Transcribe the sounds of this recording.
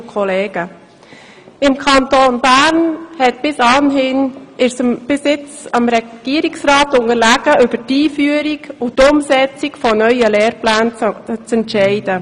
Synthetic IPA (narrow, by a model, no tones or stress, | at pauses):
kʰɔleːɡ̥ə | ɪmkʰɑntoːnbæɾnhɛt̚b̥ɪsɑnɦɪnɪsəmb̥ɪsɪt͡sɑmɾɛɡ̥iəɾiksrɑːtʊŋəɾlæɡ̥əʔʏbətiːfyəɾiɡʊtʊmsɛt͡sikfɔnœʏəlɛːɾplæːnt͡sɛntʃɛɪd̥ə